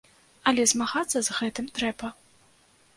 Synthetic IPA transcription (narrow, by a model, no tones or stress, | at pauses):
ɐlʲɛzmaɣat̪sːɐzɣɛt̪ɨmt̪ɾɛbɐ